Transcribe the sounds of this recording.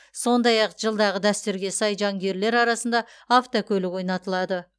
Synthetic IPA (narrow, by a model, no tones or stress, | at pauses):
so̞nd̪ɑjɑqʒ̥əlˠd̪ɑʁəd̪æst̪yɾɡʲe̞sɑjʒɑŋɡʲe̞ɾle̞ɾɑɾɑsənd̪ɑ | aft̪okʲʰɵlɪkwo̞jnɑt̪əlˠɑd̪ə